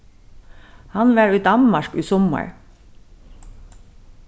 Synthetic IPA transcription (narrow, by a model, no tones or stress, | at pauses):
hɑnʋæːɹiːd̪ɑnmɑɹkyːsɔmə̰ɹ